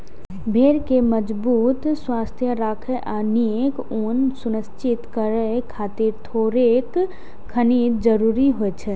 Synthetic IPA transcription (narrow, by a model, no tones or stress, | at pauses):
bʱeːɾkeməd͡ʒbuːt̪swaːst̪ʰjəɾaːkʰeʔaniek | oːnsʊnəst͡ʃɪt̪kəɾəkʰaːt̪iɾt̪ʰoːɾek | kʰːənid͡ʒəɾuːɾiɦoɛt͡ʃʰɛ